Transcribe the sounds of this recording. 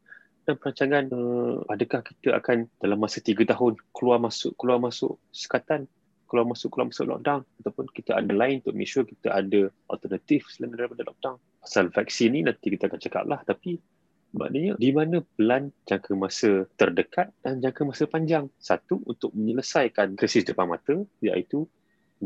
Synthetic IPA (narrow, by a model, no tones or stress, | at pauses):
danpəɾaɲt͡ʃaŋanəadəkahki̥t̪əʔa̰kand̥alamːasət̪iɡət̪aɦʊnkəluarmasʊ̰ʔkluamasʊ̰ʔsə̥kat̪an | kəluarmasʊʔkːəlua̰masʊ̰ʔlɔ̰k̚daŋat̪awpʊnkit̪əʔa̰dəlaɪnunt̪ʊʔ̚mɛ̰kʃurkit̪əʔadə | ɔ̰lt̪ərnat̪ifladalampadalɔk̚daŋ | pḁsalfɛk̚sininãnt̪ikit̪əakant͡ʃəka̰p̚lʔaht̪api | ba̰ʔdəɲədimanəpəland͡ʒaŋkʰəmasət̪ərdəkat̪̚d̥and͡ʒaŋkəmasəpaɲd͡ʒaŋsat̪uunt̪ʊk̚məɲələsajkankɾisɪsdəpanmat̪əja̰ʔit̪u